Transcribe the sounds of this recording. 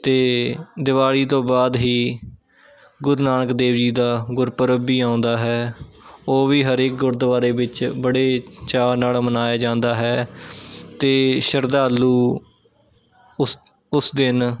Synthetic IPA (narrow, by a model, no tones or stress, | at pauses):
t̪eːd̪ɪʋaːɭiːt̪̬õːbaːd̪ɦiː | ɡʊɾnaːnəkd̪eːʋd͡ʒiːd̪aːɡʊɾpəɾəbiːãːʊ̃nd̪aːɦɛː | oːʋiːɦəɾeːk̚ɡʊɾd̪əʋaːɾeːbɪt͡ʃbəɽeːt͡ʃaːnaːlmənaːjaːd͡ʒãːnd̪aːɦɛː | t̪eːʃəɾd̪aːlːuː | ʊsd̪ɪn